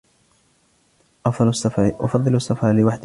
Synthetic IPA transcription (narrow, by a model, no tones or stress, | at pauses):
ʔɑfsʔa̰fɑðˤːɨlasˤːɑfʕalɪwaħd̪